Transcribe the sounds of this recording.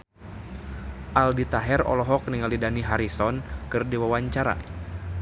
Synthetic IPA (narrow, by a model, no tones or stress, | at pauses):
ʔaldit̪aɦɛrɔ̰lɔɦɔk̚niŋalidaniɦaɾisɔnkɨrdiwawaɲt͡ʃaɾa̰